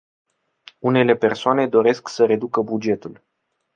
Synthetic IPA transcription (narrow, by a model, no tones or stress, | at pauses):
une̞le̞pe̞rsoane̞d̪o̞ɾe̞sksəɾe̞d̪ukəbud͡ʒe̞t̪ul